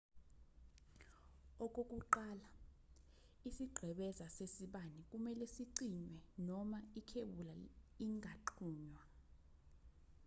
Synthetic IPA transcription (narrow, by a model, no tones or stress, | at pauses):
ɔk̬ʼokʼuǃala | isiɡ͡ǃʱɛɓɛzasesiɓanikʼumɛlɛsiǀiɲwɛnɔmaikʰeɓulaiŋɡʱaǃʰuːɲwa